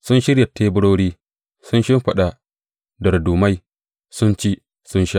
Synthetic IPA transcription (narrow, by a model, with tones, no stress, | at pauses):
sʊ˦nʃɪ˦ɾja˨tʰːeː˦bʊ˦ɽoː˦ɽiː˦ | sʊ˦nʃɪ˦mɸɐ˨ɗa˨ | dɐ˨rduː˨ma˦j | sʊ˦nt͡ʃiː˦ | sʊ˦nʃa˦ʔ